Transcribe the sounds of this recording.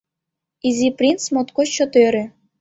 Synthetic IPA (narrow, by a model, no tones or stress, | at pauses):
izʲiprʲint͡smot̪kot͡ɕːŏt̪øɾʲɘ̆